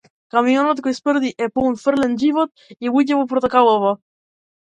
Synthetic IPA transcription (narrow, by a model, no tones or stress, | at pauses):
kamiɔnɔt̪kɔjspr̩d̪iʔɛponfr̩lɛnʒivɔt̪ | ɛuɟɛvɔpɾot̪akalˠɔva